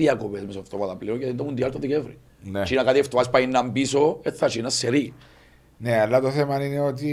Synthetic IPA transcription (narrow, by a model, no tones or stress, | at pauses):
iakopezmesoft̪omat̪ɐplinocɐt̪ind̪omund̪jalt̪oðikevɾḭ | nt͡ʃinakat̪ieft̪oaspainːambisoet̪ːat͡ʃinasːeɾi | nealːat̪oθemanineot̪̬i